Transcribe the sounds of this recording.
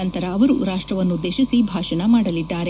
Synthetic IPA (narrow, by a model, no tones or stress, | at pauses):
ɐnt̪ɐɾɐːʋɐɾuɾaːʂʈɾɐʋɐnːud̪eːʃisibʱaːʃɐnɐmaːɽɐlid̪ːaːɾe